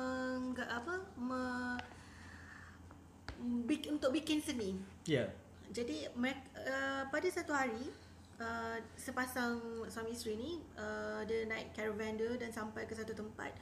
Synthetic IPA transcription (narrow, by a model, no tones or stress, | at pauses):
əŋɡaʔapəmə̃ | biunt̪ʊk̚bikɪnsənĩŋ | ja | d͡ʒadiməekəpadasat̪uhaɾi | əsəpasaŋsamist̪ɾinĩədənãɪʔkɛɾovãndədansampajkəsat̪ut̪əmpa̰t̪̚